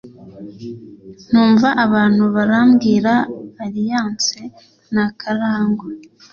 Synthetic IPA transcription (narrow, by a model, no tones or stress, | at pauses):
n̥uːɱvaʔaβaːn̥huβaɾamɡiːɾaːɾijaːnt͡se | nakʰaɾaːŋɡo